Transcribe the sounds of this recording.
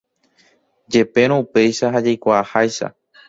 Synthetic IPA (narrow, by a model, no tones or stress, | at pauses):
d͡ʒe̞pe̞ɾ̃õupe̞jʃaɦad͡ʒajkʷaːhajʃa̰